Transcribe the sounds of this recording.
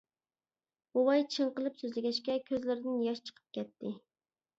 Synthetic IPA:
bowɑjt͡ʃʰəɴqəlˠɨpsøzlɪɡʲɛʃkʲɛkʲʰøzlɪɾɪd̪ɪnjɑʃt͡ʃʰə̥qʰə̥p̚kʲʰɛt̪ʰːɪ

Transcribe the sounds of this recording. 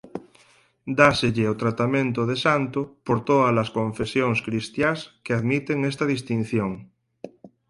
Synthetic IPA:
d̪aseʎeot̪ɾat̪amẽnt̪oðesant̪opoɾt̪oðalaskõɱfesjoŋskɾist̪jaskeaðmit̪eŋest̪aðist̪in̟θjoŋ

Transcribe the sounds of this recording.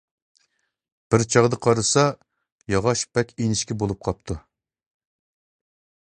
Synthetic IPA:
b̥ɪɾt͡ʃʰɑʁd̪əqʰɑɾɨsɑ | jɑʁɑʃbɛkʲenɪʃkʲɛbolˠup̚qʰɑp̚t̪ʰu

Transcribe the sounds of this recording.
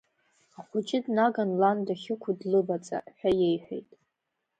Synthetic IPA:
aχʷʊt͡ʃʼɪdnaɡanlandaχʲɪkʷʰʊdlɨbat͡sʼa̰ħʷᶣaje̞jħʷᶣḛjtʼ

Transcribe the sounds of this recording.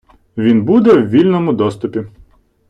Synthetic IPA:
ʋʲinbud̪ɛwʋʲilʲnɔmʊd̪ɔst̪ʊpʲi

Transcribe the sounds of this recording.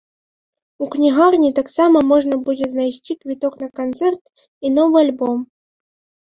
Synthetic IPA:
uknʲiɣarnʲit̪aksamɐmɔʐnɐbud͡zʲɛznajsʲt͡sʲikvʲit̪ɔknɐkant̪sɛrt̪ | inɔvɨalʲbɔm

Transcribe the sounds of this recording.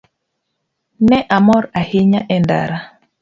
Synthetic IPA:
nɛʔamɔɾahɪɲaʔɛnda̰ɾa

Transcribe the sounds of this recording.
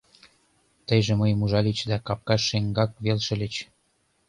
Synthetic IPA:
t̪ə̆jʒĕməjmuʒɑlʲit͡ɕd̪ækɑp̚kɑʃːeŋɡɑk̚βelʃĕlet͡ɕ

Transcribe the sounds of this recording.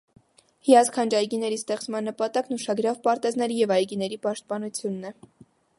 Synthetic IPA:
hijɑt͡skʰɑnd͡ʒɑjɡinɛɾist̪ɛχt͡smɑnːəpɑt̪ɑknuʃɑɡɾɑvpɑɾt̪ɛznɛɾijɛvɑjɡinɛɾipɑʃt̪̚pɑnut͡sʰjunːɛ

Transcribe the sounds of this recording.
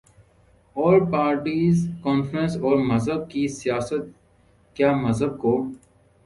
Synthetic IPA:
ɔːɾpaːɾʈiːzkɔːnfɾə̃nsɔːɾmɐzəb̚kisijaːsət̪̚ | kjaːmɐzəb̚koː

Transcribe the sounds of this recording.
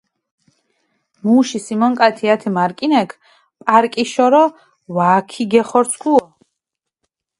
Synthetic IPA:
muːʃisimɔŋkʼat̪ʰiat̪ʰimaɾkʼinɛkʰ | pʼaɾkʼiʃɔɾɔ | vaːkʰiɡɛχɔɾt̪sʰkʰʼuɔ

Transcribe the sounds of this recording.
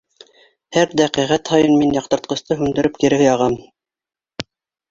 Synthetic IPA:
hæɾd̪æqiʁæt̪hɑjɤnminjɑq̚t̪ɤ̆ɾt̪̚qɤ̆st̪ɤɦʉmd̪ɘ̆ɾɘp̚kiɾɘ̆ɡjɑʁɑm

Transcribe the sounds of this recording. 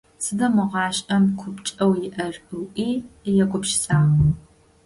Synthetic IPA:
sɨdɐmɨʁɑːɕʼɐmkʷʰʊpt͡ʃʼɐwjɪʔɐrɨwʔiːjɛkʷʼʊpʃsʼaːʁɐ

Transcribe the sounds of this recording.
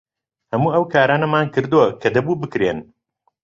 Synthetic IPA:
hɐmuːɐwkʰaːɾaːnɐmaːnkɨɾd̪uwɐkʰɐd̪ɐbuːbɨkɾen

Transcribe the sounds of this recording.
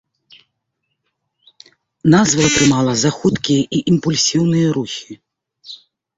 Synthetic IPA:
nazvɐt̪ɾɨmalˠɐzaxut̪kʲijɛʔiʔimpulʲsʲiwnɨjɐɾuxʲi

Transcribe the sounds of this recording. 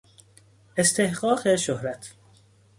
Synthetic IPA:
est̪ʰe̞hɢɒːɢeʃohɾæt̪ʰ

